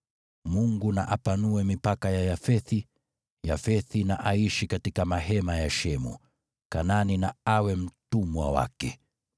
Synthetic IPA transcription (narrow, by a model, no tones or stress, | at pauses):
muŋɡuna̰ʔapanuɛmipakajajafɛθi | jafɛθinaʔaiʃikatikamaɦɛmajaʃɛmṵ | kananinaawɛm̩tumwa̰wa̰kɛ